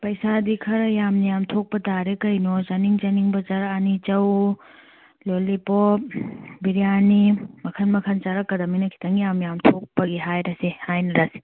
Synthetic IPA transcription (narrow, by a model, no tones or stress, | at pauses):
pɐjsadikʰɐɾɐjamnijamtʰok̚pɐtaɾekɐjnozɐniŋd͡ʒɐniŋbɐt͡ʃɐɾɐːnit͡ʃɐw | lolːipop̚biɾijanimɐkʰɐnmɐkʰɐnt͡ʃaɾɐkːɐdɐminɐkʰi̥tʰɐŋjamjamtʰok̚pɐɡiɦajɾɐsihajnɐɾasi̥